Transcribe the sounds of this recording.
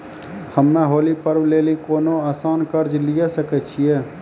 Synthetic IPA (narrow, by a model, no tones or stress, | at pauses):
həmːeɦoːlipəɾbleːlikoːnoaːsaːnkəɾd͡ʒlijesəkɛt͡ʃʰie